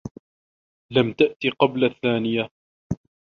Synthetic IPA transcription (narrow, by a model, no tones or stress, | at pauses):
lamt̪aʔt̪iqɑblaθːaːnɪja